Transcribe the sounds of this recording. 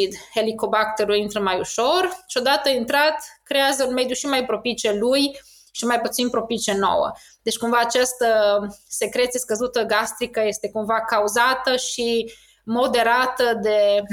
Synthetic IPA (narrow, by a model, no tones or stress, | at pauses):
id̪e̞liko̞bakt̪eɾulint̪ɾəmajuʃo̞rʃio̞d̪at̪əint̪ɾat̪kɾe̞azəunme̞d̪juʃimajpɾo̞pit͡ʃeluj | ʃimajput̪sinpɾo̞pit͡ʃeno̰wə̰ | d̪e̞t͡ʃkumvaːt͡ʃast̪əse̞kɾet̪sjeskəzut̪əɡast̪ɾikəje̞st̪e̞kumvakauzat̪əʃi | mo̞d̪e̞ɾat̪əd̪e̞